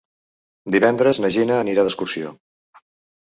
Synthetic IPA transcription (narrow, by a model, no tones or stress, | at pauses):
d̪iβɛnd̪ɾəznəʒinəːniɾaðəskursio̰